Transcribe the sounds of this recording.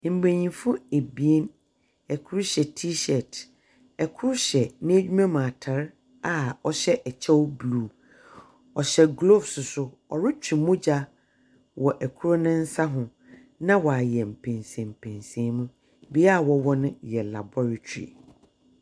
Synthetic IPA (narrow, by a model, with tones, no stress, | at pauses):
m̩˨bẽ˨ɲĩ˨fʊ̃˦e˨bi˨e˦n | ɛ˨kʰʊ˦ɾɕɛ˨tʰi˦ɕɛ˨t | ɛ˨kʰʊ˦ɾɕɛ˨nɪ̃˦æ˦d͡ʑᶣu˦mã˦mã˨tʰa˨˦ɾ | a˦˨ɔ˨ɕɛ˦ʔɛ˨t͡ɕʰɛ˦wblu˦˨ | ɔ˨ɕɛ˦ɡlo˦fsʊ˨sʊ˦ | ɔ̰˨ɾɪ˦t͡ɕᶣʰi˨mʊ̃˦d͡ʑa˦ | wɔ˨ʔæ˨kʰu˦ɾo˦nɪ̃˦n̩˦sa˦ɦʊ̃˨ | nã˦wɔ˨a˨jɛ˨m̩˨pʰɛ̃˨nsɛ̃˨m̩˨pʰɛ̃˨nsɛ̃˨˦mũ˦ | bi˦a˦˨wɔ˨wɔ˦nʊ̃˦jɛ˨la̰˨bɔ˦ɾa˨tʰᶣḭ˨